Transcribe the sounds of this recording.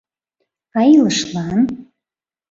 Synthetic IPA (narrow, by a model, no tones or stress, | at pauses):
ɑjiləʃlˠɑn